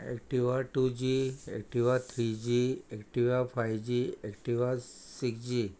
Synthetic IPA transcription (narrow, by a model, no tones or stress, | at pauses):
ḛkʈiʋaʈud͡ʒiḛk̚ʈiʋat̪ʰɾid͡ʒiekʈiʋapʰajʋd͡ʒiek̚ʈiʋasiksd͡ʒi